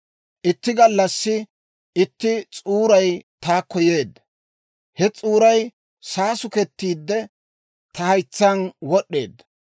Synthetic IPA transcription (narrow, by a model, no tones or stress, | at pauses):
ʔɪt̪ːɪɡɐlːɐsːɪ | ɪt̪ːɪt͡sʼuːɾɐjt̪aːkːɔje̞ːd̪ɐ | hɛt͡sʼuːɾɐj | saːsʊkɛt̪ːiːd̪ːɛ | t̪ɐhɐjt͡sːɐnwɔɗːe̞̰ːd̪ːɐ